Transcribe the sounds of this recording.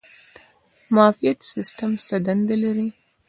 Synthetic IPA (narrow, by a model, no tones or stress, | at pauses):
mɑfijat̪sɪsʈamsad̪and̪alaɾi